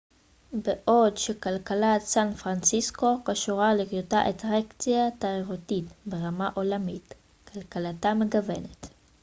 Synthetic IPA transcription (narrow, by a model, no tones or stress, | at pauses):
beʔo̞dʃekalkalatsanfʁant͡sisko̞kaʃuʁalikjotaʔetʁekt͡sjataiʁutitbeʁamaʔo̞lamit | kʰalkalatameɡave̞̰net